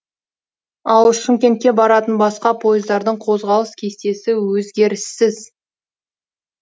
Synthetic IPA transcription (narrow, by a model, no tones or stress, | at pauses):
ɑlˠʃʏŋkʲe̞nt̪̚kʲe̞bɑɾɑt̪ənbɑsqɑpʰo̞jɪzd̪ɑɾd̪əɴqʰo̞zʁɑlˠəskʲʰe̞st̪e̞sɪwɵzɡʲe̞ɾɪsːɪz